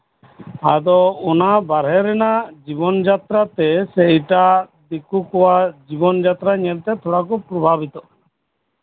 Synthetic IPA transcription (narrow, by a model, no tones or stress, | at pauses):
ad̪ɔɔnabaɾɦɛɾɛnad͡ʒibɔnd͡ʒat̪ɾat̪ɛsɛʈad̪ikukɔwad͡ʒibɔnd͡ʒat̪ɾaɲɛlt̪ɛt̪ʰɔɽakɔpɾɔbʱabit̪ɔ